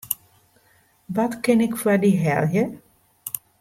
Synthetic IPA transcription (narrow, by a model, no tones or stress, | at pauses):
ʋɔtkɪnɪkfwadiɦɛ̰lˠjə